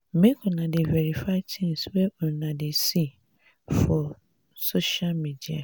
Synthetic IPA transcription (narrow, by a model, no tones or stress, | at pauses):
mẽkʰʊnãdɪveɾifatʰẽnsweʔɔnãdɪsi | fɔ | soʃalmĩdia̰